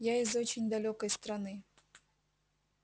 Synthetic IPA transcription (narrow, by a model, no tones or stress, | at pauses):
jaɪzot͡ɕɪnʲd̪ɐlʲokɐjst̪ɾɐnɨ